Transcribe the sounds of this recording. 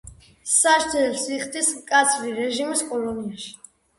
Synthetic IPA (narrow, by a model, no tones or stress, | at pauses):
saʃd̪ɛlsiχd̪ismkʼat̪sʰɾiɾɛʒimiskʼɔlɔniaʃi̥